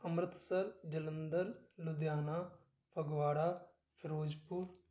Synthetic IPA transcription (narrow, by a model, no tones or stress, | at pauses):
ɐmɾɪt̪sɐɾd͡ʒɐlənd̪əɾlud̪jaːnaː | pʰɐɡʋaːɽaː | pʰɪɾoːd͡ʒpuːɾ